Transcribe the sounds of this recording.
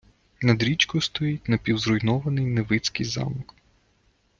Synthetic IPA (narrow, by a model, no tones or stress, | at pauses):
nɐd̪ɾʲit͡ʃkʊst̪ɔjit̚ʲnɐpʲiwzrʊjnɔʋɐnɪjneʋɪt͡sʲkɪjzɑ̰mɔk